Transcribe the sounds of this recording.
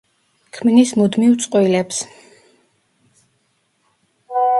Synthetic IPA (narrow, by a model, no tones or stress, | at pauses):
kʰmnismud̪miwt̪sʼqʼwilɛps